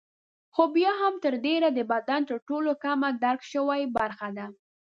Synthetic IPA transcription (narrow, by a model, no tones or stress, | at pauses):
xobjɑɦamt̪əɾɖeɾad̪əbad̪ant̪əɾʈolokamad̪aɾkʃəwajbaɾxad̪a